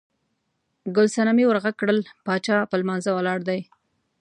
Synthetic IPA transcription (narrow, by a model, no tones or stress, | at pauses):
ɡʊlsanamiwəɾɣaɡ̚kɽəlpɑt͡ʃɑpəlmɑnzawəlɑɽd̪aj